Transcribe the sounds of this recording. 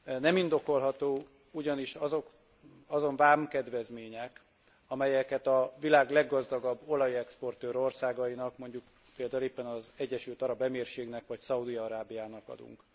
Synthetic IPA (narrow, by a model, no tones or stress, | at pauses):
nɛmind̪o̞ko̞lɦɒt̪oː | uɟɒniʃɒzo̞k | ɒzo̞ɱvaːmkɛd̪ʋɛzmeːɲɛk | ɒmɛjɛkɛt̪ɒvilaːɡlɛɡːɒzd̪ɒɡɒbːo̞lɒjɛkspo̞rt̪øːɾo̞rsaːɡɒjinɒkmo̞ɲɟuk | peːld̪aːuleːpːɛnɒzɛɟːɛʃylt̪ɒɾɒbɛmeːrʃeːɡnɛkʋɒcsɒud̪iɒɾaːbijaːnɒkɒ̰d̪ṵŋk